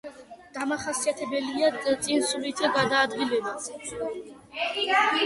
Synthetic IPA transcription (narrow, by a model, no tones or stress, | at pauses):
d̪̥amaχasiat̪ʰɛbɛliat̪sʼinsulit̪ʰd̪aɡad̪aːd̪ɡilɛbatʰ